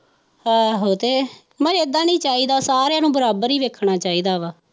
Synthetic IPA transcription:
hãːɦoːt̪eː | mə̃eːd̪ãːnĩːt͡ʃaːiːd̪aːsaːɾãːnũːbəɾaːbəɾiːʋeːkʰɳaːt͡ʃaːiːd̪aːʋaː

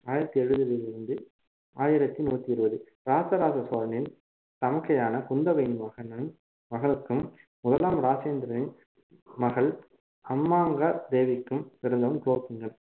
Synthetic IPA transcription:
aːjɪɾɐt̪ːiɛɻɯðɯʋelɪɾɯnd̪ɯ | aːjɪɾɐt̪ːinuːt̪ːiɪɾɯbɐðɯ | ɾaːsɐɾaːsɐsoːɾɐnɪn | t̪ɐmɐkːɐjaːnɐkʊnd̪ɐʋɐɪnɯmʋɐɣɐnɐn | ʋɐɣɐɭɯkːɯm | mʊðɐlaːmɾaːt͡ʃeːnd̪ɪɾɐnɪn | mɐɣɐɭ | ɐmːaːŋɡɐd̪eːʋɪkːɯmʋɪɾɯnd̪ɐʋɐmkɭoːkːɪŋɡɐɭ

